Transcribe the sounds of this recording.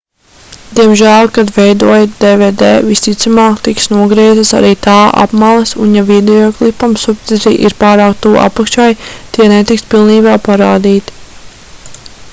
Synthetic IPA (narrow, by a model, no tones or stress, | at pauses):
d̪̥iɛmʒæːlˠkad̪vɛjd̪uɔjd̪eːvɛːd̪eːvist̪it̪samaːkt̪iksnuɔɡɾiɛzasa̰ɾiːt̪aːʔa̰pmalˠɛsunjavid̪ɛɔklˠipamsupt̪ɛzḭʔḭɾpaːɾaːkt̪uːʔa̰pakʃajt̪iɛnet̪ikspilˠniːbaːpaɾaːd̪iːt̪